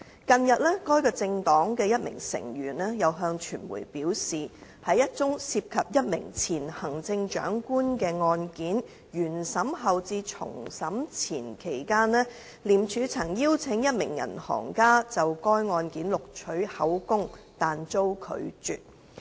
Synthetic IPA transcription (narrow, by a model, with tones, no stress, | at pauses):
kɐ˧njɐ˨t̚lɛː˥kɔː˥jkɔː˧t͡sɪ˧ŋt̪ɔː˨˥ŋkɛː˧jɐ˥t̚mɪ̰˨˩ŋsɪ̰˨˩ŋjyː˨˩nɛ˥jɐ˨˧wɦœː˧ŋt͡ʃʰyː˨˩nmṵ˨˩jpiː˨˥wsiː˨hɐ˨jɐ˥t̚t͡sʊ˥ŋsiː˧p̚kʰɐ˨p̚jɐ˥t̚mɪ̰˨˩ŋt͡sʰiː˨˩nhɐ˨˩ŋt͡sɪ˧ŋt͡ʃœ̰ː˨˥ŋkuː˥nkɛː˧ŋɔː˧nkiː˨˥n | jyː˨˩nsɐ˨˥mɦɐ˨wt͡siː˧t͡sʰʊ̰˨˩ŋsɐ˨˥mt͡sʰiː˨˩nkʰe˨˩jkaː˥nlɛː˥ | liː˨˩mt͡ʃʰyː˨˧t͡sʰɐ˨˩ŋjiː˥wt͡sʰɪ˨˥ŋjɐ˥t̚mɪ̰˨˩ŋjɐ̰˨˩nhɔ̰ː˨˩ŋkaː˥t͡sɐ˨wkɔː˥jŋɔː˧nkiː˨˥nlʊ˨k̚t͡ʃʰɵ˨˥ɥhɐ˨˥wkʊ˥ŋt̪aː˨nt͡so˥wkʰɵ̰˨˧ɥt͡ʃy̰ː˨t̚